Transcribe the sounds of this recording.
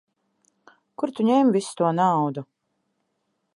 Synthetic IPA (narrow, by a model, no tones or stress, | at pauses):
kuɾt̪uɲɛmvist̪uɔnawd̪u